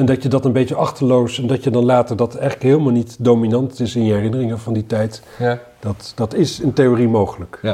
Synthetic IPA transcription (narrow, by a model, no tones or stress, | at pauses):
ɛndɑcjədɑtənbejt͡ʃəʔɑχtəlowsɛndɑcjədɑnlaːtəɹdɑtɛjχləkɦeːlˠmaːlˠnitdowminɑntɪsɪnjəɦɛrɪnərɪŋəvɑnditɛjt | d̥ɑtd̥ɑtɪsəntejoːrimowχələk